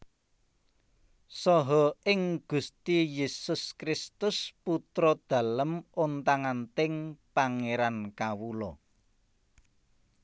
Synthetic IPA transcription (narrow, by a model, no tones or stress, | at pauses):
sɔɦɔɪŋɡ̥ṳst̪ijesʊskɾɪst̪ʊsput̪ɾɔd̪̥ä̤ləmont̪aŋant̪ɪŋpaŋeɾankawulɔ